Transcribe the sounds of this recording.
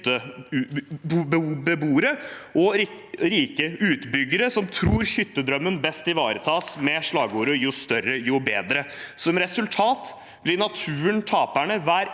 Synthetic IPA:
ə | bbəbuːɾəʔɔɾiːkəʉːt̪bʏɡːəɾəsɔmt̪ʰɾuːɾçʏt̪ːəd̪ɾœmːənbɛst̪ɪʋɑːɾət̪ʰɑːsmɛʂɭɑːɡəuːɾəjʊst̪œrːəjʊbeːd̪ɾəsɔmɾɛsʉlt̪ʰɑːt̪ | b̥lɪnɑt̪ʰʉːənt̪ʰɑːpæɳəʋæːɾ

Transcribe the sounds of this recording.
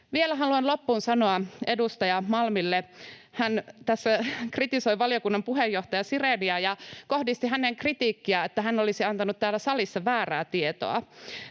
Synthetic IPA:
ʋielæɦɑluɑnlo̞pːuːnsɑnoɑe̞dust̪ɑjɑmɑlmilːehænt̪æsːækrit̪iso̞iʋɑlijo̞kunːɑmpuɦejːoht̪ɑjɑsireniɑjɑko̞hdist̪iɦæneŋkrit̪iːkːiɑet̪ːæɦænolisiɑnt̪ɑnut̪t̪ːæːlːæsɑlisːɑʋæːræːt̪iet̪o̰ɑ̰

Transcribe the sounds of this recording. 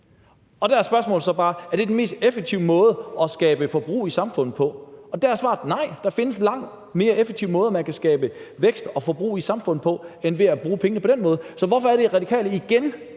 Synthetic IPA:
ɒ̽d̥ææɐsb̥ɶɐsmɔ̰̽ːl̩ˠsɒ̽b̥ɑ̈ːæɐd̥e̝denme̝ːsd̥efeɡ̥̚t͡sʰiʊmɔ̽ːð̞ˠəɒ̽sɡ̥ɛːb̥əfɒ̽b̥ʁṵːisɑ̈mfɔ̽n̰ð̩ˠpʰɒ̽ɒ̽d̥ææɐsʋɑ̰̈ːd̥nɑ̈ɪ̰d̥ɑ̈fe̝nəslɑ̈ŋ̰d̥ | me̝ːɐefeɡ̥̚t͡sʰiʊ̰mɔ̽ːðˠmænkʰæsɡ̥ɛ̰ːb̥əʋeɡ̥sd̥ɒ̽fɒb̥ʁṵːisɑ̈mfɔ̽n̰ð̩ˠpʰɒ̽enʋe̝æb̥ʁuːpʰeŋənəpʰɒ̽d̥enmɔ̽ːð̞̩ˠsɒ̽ʋɒfɒ̽æɐɾ̥eʁɑ̈d̥ikʰɛ̰ːləiɡ̥en

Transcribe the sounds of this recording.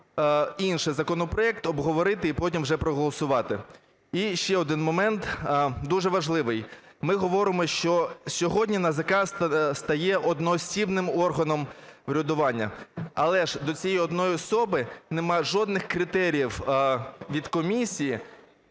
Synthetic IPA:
inʃɪjzɐkɔnɔpɾɔɛkt̪ɔbɦɔʋɔɾɪt̪ɪipɔtʲimwʒɛpɾɔɦɔlˠɔsʊʋɑt̪ɪ | iʃt͡ʃɛɔd̪ɪnmɔmɛnt̪d̪uʒɛʋɐʒlˠɪʋɪj | mɪɦɔʋɔɾɪmɔʃt͡ʃɔsʲɔɦɔdʲnʲinɐzɐkɑst̪ɐjɛʔɔd̪nɔːsʲibnɪmɔrɦɐnɔmwɾʲɔd̪ʊʋɑnʲːɐ̰ɐ̰lˠɛʒd̪ɔt͡sʲijɛjɔd̪nɔjiɔsɔbɪnemɑʒɔd̪nɪxkɾɪt̪ɛɾʲijiw | ʋʲid̪kɔmʲisʲiji

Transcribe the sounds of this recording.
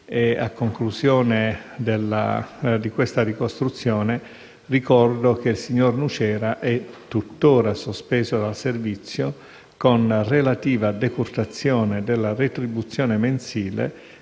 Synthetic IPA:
ea̰kːoŋkluzjɔːned̪elːa̰d̪ikwest̪arikost̪ɾut̪sːjɔːne | rikɔrd̪ok̟eilsiɲːornut͡ʃɛːɾaʔɛt̪ːut̪ːoːɾasospɛːzod̪alservit̪sːjo | konrelat̪iːvad̪ekurt̪at̪sːjɔːned̪elːaret̪ɾibut̪sːjɔːnemensiːlḛ

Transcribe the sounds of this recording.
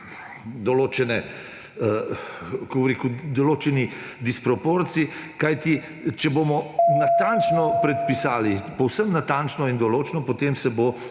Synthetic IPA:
d̪ɔloːt͡ʃɛnɛ | koɾeːkud̪oloːt͡ʃɛni | d̪ispɾɔpoːɾt̪siikajt̪i | t͡ʃɛbomɔnat̪ant͡ʃnɔpɾɛt̪pisaːlipɔwsəmnat̪ant͡ʃnɔind̪ɔloːt͡ʃnɔpot̪emsɛbo

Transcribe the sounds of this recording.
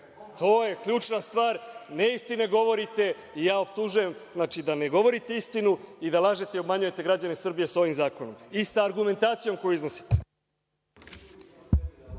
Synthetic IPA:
t̪o̞ːje̞klʎuːt͡ʃnast̪ʋaːɾneist̪ineɡo̞ʋo̞ɾit̪e̞ | ijaːopt̪uʒuje̞mznaːt͡ʃid̪ane̞ɡo̞ʋo̞ɾit̪e̞ist̪inuid̪alˠaːʒet̪e̞io̞bmaɲuje̞t̪e̞ɡɾad͡ʑane̞sr̩bije̞so̞ʋimzaːko̞no̞misaːɾɡume̞nt̪aːt̪sijo̞mko̞juizno̞si̥t̪e̥

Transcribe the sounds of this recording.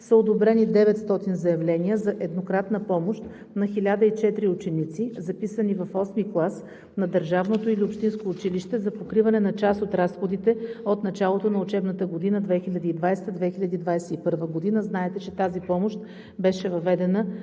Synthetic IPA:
səod̪obɾɛnid̪ɛvɛt̪st̪ɔt̪inzɐjɐvlɛnijəzɐʔɛd̪nokɾat̪nəpɔmoʃt̪ | nɐxilʲad̪əit͡ʃɛt̪ɾiʊt͡ʃɛnit̪sizɐpisənivɐfɔsmiklˠas | nɐd̪əɾʒavnot̪oiliopʃt̪inskoːt͡ʃiliʃt̪ɛzɐpokɾivɐnɛnɐt͡ʃasot̪ɾasxod̪it̪ɛot̪nɐt͡ʃalˠot̪onɐʊt͡ʃɛbnət̪əɡod̪inəd̪vɛxilʲɐd̪iːd̪vajst̪əd̪vɛxilʲɐd̪iːd̪vajsɛipɤɾvəɡod̪inəznaɛt̪ɛt͡ʃɛt̪azipɔmoʃt̪ | bɛʃɛvɐvɛd̪ɛnə

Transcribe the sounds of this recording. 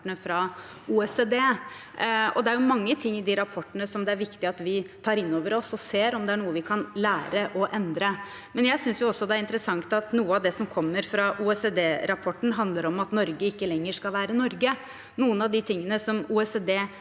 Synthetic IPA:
ənəfɾɑ | uːɛseːd̪eː | ɔ̰d̪ɛæɾjʊmɑŋːət̪ʰɪŋːɪd̪ɪɾɑpʰɔʈːənəsɔmd̪ɛæɾʋɪkt̪ɪɑt̪ʋɪt̪ʰɑːɾɪnːoːʋəɾɔsɔseːɾɔmd̪ɛæɳuːəʋɪkʰɑnlæːɾəʔɔʔɛnd̪ɾə | mɛnjæɪsʏnsjʊɔsːɔd̪ɛæɾɪnt̪əɾəsɑŋt̪ɑt̪nuːəɑʋd̪ɛsɔmkʰɔmːəɾfɾɑʔuːɛseːd̪eːɾɑpʰɔʈːn̩ɦɑnd̪ləɾɔmɑt̪nɔɾɡəɪkːəlɛŋːəʂkɑlʋæːɾənɔɾɡə | nuːənɑʋd̪ɪt̪ʰɪŋːənəsɔmuːɛseːd̪eː

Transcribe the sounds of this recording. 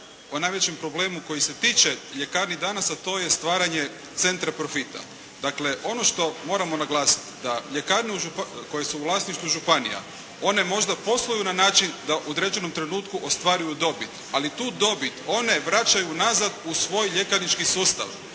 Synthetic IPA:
onaːjʋet͡ɕe̞mpɾo̞ble̞ːmuko̞jise̞t̪iːt͡ʃeʎe̞kaːɾnid̪anasat̪o̞ːje̞st̪ʋaːɾaɲe̞ | t̪se̞nt̪ɾapɾo̞fit̪a̰ | d̪akle̞ʔo̞no̞ʃt̪o̞mo̞ɾamo̞naɡlˠaːsi̥t̪i̥d̪aʎe̞kaːɾniuʒupko̞jesuːlˠasniʃt̪vuʒupanḭja̰ | o̞ne̞mo̞ʒd̪apo̞slˠojunanaːt͡ʃind̪aʔod̪ɾed͡ʒe̞no̞mt̪ɾe̞nuːt̪kuʔo̞st̪ʋaːɾujud̪o̞bit̪ | alit̪uːd̪o̞bit̪o̞ne̞ʋɾat͡ʃajunazad̪usʋo̞ːjʎekanit͡ʃkisuːst̪a̰ʋ

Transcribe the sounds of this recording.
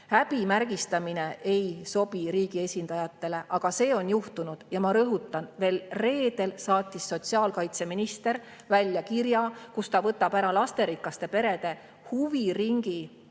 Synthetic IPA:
hæb̥imærɡ̥ist̪ɑmine̞ʔe̞jso̞biɾiːɡie̞sʲind̪̥ɑjɑt̪ːe̞le̞ʔɑɡ̥ɑse̞ːo̞njuht̪unud̪̥jɑmɑɾɤɦut̪ˑːɑnve̞ːlre̞ːd̪̥e̞lsɑːt̪ʲːˑisːo̞t̪siɑːlkɑjt̪se̞minist̪e̞ɾ | vælʲjɑkirjɑkust̪ɑvɤt̪ːˑɑbæɾɑlɑst̪e̞ɾikːˑɑst̪e̞pe̞ɾe̞d̪̥e̞ | huviriŋɡi

